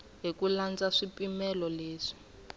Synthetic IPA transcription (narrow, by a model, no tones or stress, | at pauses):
ɦikuland͡zaʂipimɛlɔleːʂi̥